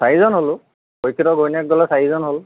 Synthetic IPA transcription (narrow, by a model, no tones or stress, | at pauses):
saɦizɔnɦolʊ | kojkʰiɾɔɡʱojnɛk̚ɡɔlɔsaɦizɔnɦol